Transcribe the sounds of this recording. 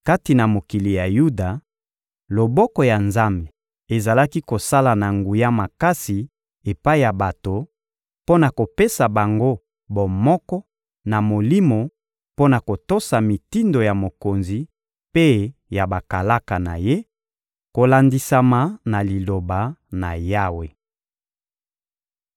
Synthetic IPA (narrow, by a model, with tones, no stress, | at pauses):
ka˦ti˨na˨mo˨ki˨li˨ja˨ju˦da˨ | lo˨bɔ˦kɔ˨ja˨nza˦mbe˨ | e˨za˨la˦ki˦ko˨sa˦la˨na˨ŋɡu˨ja˦ma˨ka˦si˨ | e˨pa˦i˦ja˨ba˨to˨ | po˦na˨ko˨pe˦sa˨ba˨ŋɡo˦ | bɔ˨mɔ˦kɔ˦ | na˨mo˨li˦mo˨ | po˦na˨ko˨to˦sa˨mi˨ti˦ndo˨ja˨mo˨ko˨nzi˨ | pe˦ja˨ba˨ka˨la˦ka˨na̰˨je˦ | ko˨la˨ndi˨sa˨ma˨na˨li˨lo˨ba˨na̰˨ja˦we˨